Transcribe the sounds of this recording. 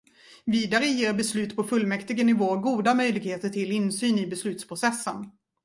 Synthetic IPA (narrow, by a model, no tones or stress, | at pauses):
viːd̪aɾəjeːɾbɛslʉ̟ːt̪pʰɔfɵlmɛkt̪ɪɡənɪvoːɡuːd̪amœjlɪɡheːt̪əʈʰɪlɪnsyːnɪbɛslʉ̟ːt̪spʰɾʊsɛsːən